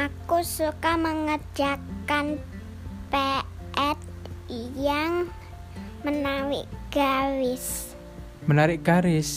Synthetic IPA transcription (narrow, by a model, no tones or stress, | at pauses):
ʔakusukaməŋə̥d͡ʒ̥akan | pe | ʔɛt̪̚ | ijaŋ | mənawɪ̰ʔɡ̥awɪs | mənaɾɪkɡ̥aɾɪs